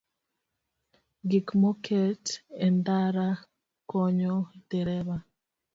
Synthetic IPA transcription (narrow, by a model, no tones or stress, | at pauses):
ɡikmɔkʰɛtɛndaɾa | kɔɲɔd̥ɛɾɛβa